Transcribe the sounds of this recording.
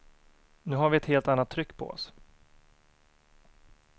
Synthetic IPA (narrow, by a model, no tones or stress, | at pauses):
nʉ̟ːɦaɾvɪɛt̪heːlt̪anːat̪ʰːɾʏkːpʰɔ̰ɔ̰s